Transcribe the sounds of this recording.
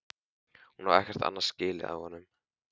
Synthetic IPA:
hunhavɛ̰hcɛɾ̥t̪a̰nːḁscɪːlɪ̰a̰ðhɔnːʏm

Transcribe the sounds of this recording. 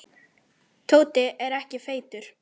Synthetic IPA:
t̪ʰoːwt̪ɪʔɛɾɛhcɪfeːjt̪ʏɾ̥

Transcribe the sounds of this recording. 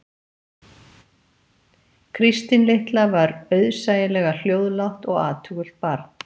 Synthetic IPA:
kʰɾist̪ɪnleht̪lavaɾœɥðsaːjɪlɛɣal̥joːwðlawht̪ɔɣa̰ːt̪ʰʏːɣʏl̥t̪̚paɾt̪n̥

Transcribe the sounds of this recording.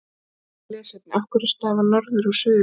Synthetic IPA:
lɛːsɛt̪̚nʔafkʏɾst̪aːvanɔɾðʏɾasʏːʏ

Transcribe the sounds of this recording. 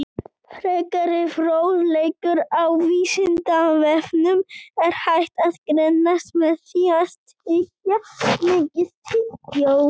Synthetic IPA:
fɾejkaɾɪfɾoːwðlejkʏɾawviːsɪnt̪avɛfnʏmɛɾ̥hajht̪aðkɾɛnːast̪mɛðθiast̪ | ɪkatmɪːcɪðt̪ʰɪcow

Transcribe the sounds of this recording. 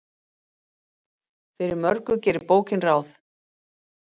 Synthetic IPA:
fɪɾɪɾmœɾkʏcɛːɾɪɾpoːwcɪnraːwθ

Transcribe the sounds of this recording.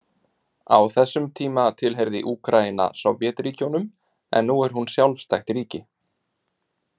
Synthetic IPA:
a̰wθɛsːʏmt̪ʰiːmat̪ʰɪlɦeɾðɪ̰ʔuːkɾaina̰sɔvjɛt̪riːcownʏm | ɛ̰nːuɛɾ̥hɦunsjawlfst̪ajxt̪riːcɪ

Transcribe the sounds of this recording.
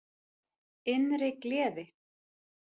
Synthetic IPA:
ɪnɾɪklɛːðɪ

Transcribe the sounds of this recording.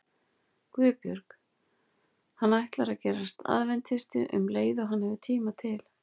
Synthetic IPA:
kvʏːpjœ̰ɾk | hanːajht̪laɾacɛːɾast̪ʰa̰ðvɛnt̪hɪst̪ɪ̰ʔʏ̰mleːjðɔɦanhɛvɪt̪ʰiːmat̪ʰɪl̥

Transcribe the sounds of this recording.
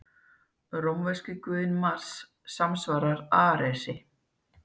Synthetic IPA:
ɾomvɛscɪkʏðɪnmasː | amsvaːɾaɾaːɾɛsɪ

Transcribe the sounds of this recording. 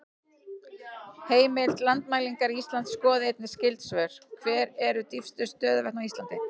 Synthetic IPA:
heːjmɪlt̪lant̪maːjliŋkaɾiist̪lant̪skɔːðɪejt̪nɪ̥scɪlt̪svœɾ̥kʰvɛːɾɛɾʏt̪ifst̪ʏst̪œːðvɛhknawist̪ant̪ɪ

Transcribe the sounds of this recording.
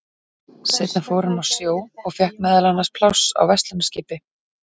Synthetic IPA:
sejt̪nafowɾɪnawsjoːwɔɣfjɛhknmɛːðalanːaspʰlawsa̰wvɛst̪lʏmscɪːpɪ

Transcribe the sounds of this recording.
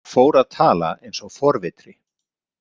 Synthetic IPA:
foːwɾaðt̪ʰaːla̰ejnsɔɣfɔɾvɪt̪ɾɪ

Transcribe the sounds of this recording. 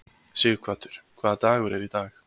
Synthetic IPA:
siːɣkʰv̥aːt̪ʰʏɾ̥kʰvaːðt̪aːɣʏɾɛɾit̪aːx

